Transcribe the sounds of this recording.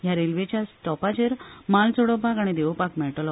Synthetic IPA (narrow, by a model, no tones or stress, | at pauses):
jaɾelʋet͡ɕjasʈɔpad͡ʑeɾmalt͡soɽɔbʱaɡaɽ̃id̪eʋpakmɛɭʈlɔ